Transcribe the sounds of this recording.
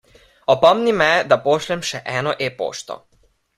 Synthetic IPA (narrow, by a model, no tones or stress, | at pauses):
ɔpɔmnimɛd̪apoːʃlɛmʃɛʔɛːnɔʔeːpo̰ːʃt̪ɔ̰